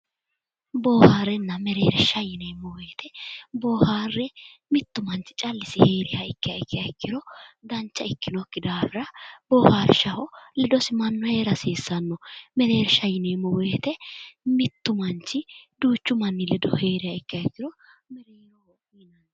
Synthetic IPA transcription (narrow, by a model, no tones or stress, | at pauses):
boːhaːɾːɛnːɐmɛɾeːɾʃɐjɪnemɔweːt̪ʰɛboːhaːrːɛ | mɪt̪ːʊmɐnt͡ʃɪ̥t͡ʃʼɐlːɪsɪheːɾɪhɐɪkːɪjɐɪkːɪjɐɪkːɪɾɔd̪ɐnt͡ʃːɐɪkːɪnɔkːɪd̪aːfɪɾɐboːhaːɾʃɐhɔlɛd̪ɔsɪmɐnːɔhe̞ːɾɐseːsːɐnːɔmɛɾe̞ːɾʃɐjɪnemɔweːt̪ɛmɪt̪ːʊmɐnt͡ʃːɪd̪uːt͡ʃːʊmɐnːɪlɛd̪ɔ̰heːɾɪhɐɪkːɪjɐɪkːɪɾɔ | mɛɾeːɾɔ | iːnɐn